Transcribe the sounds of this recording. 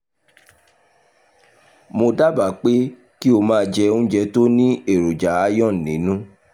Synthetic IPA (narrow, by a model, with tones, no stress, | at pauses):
mo˧da˦ba˨k͡pe˦ | ki˦o˧mãː˦˧d͡ʒɛ˧ũ˦d͡ʒɛ˧to˦nĩ˦e˦˨ɾo˨d͡ʒa˨˦a˧jɔ̃˦˨nĩ˨˦nũ˦